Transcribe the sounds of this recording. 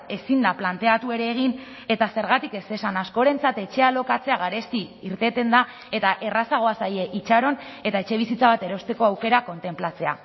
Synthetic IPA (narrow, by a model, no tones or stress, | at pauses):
e̞sind̪aplant̪e̞at̪ue̞ɾe̞ːɣ̞in | e̞t̪ase̞ɾɣat̪ike̞se̞sanasko̞ɾe̞nt͡sat̪e̞t͡ʃe̞alo̞kat͡se̞aɣ̞aɾe̞sk̪iiɾt̪e̞t̪e̞nd̪a | e̞t̪aʔe̞rasaɣ̞o̞asaje̞ʔit͡ʃaɾo̞ne̞t̪ae̞t͡ʃe̞β̞isit͡saβ̞at̪e̞ɾo̞st̪e̞ko̞awke̞ɾako̞nt̪e̞mplat͡se̞a̰